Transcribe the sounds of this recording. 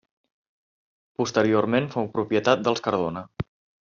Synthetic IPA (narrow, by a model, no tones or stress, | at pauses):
pust̪əɾioɾmenfowpɾupjət̪at̪̚d̪əlˠskəɾð̞onə